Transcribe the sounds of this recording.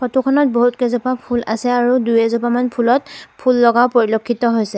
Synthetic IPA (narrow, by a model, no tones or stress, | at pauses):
xɔtukʰɔnɔt̚boɦutkɛzɔpapʰula̰sɛaɹudujɛzɔpamanpʰulɔt̚pʰulːɔɡaʊpoɹilokʰːitɔɦojsɛ